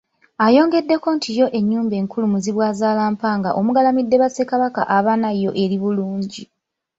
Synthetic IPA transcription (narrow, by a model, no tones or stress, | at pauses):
ajo̞ːŋɡe̞dːe̞ko̞ntʰijo̞ʔe̞ɲːuːmbe̞ːŋkʰulumuziβwaːzaːlaːmpaːŋɡa̰ʔo̞muɡalamidːe̞βase̞kaβaka̰ʔaβanajo̞ʔe̞ɾiβuluːɲɟi